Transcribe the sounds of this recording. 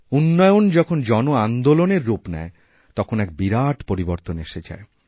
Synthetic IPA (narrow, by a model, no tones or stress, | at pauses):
unːɔjond͡ʑɔkʰond͡ʑɔnoand̪oloneɾːupnɛ̰e | t̪ɔkʰonɛk̚biɾaʈpoɾiboɾt̪oneʃed͡ʑa̰e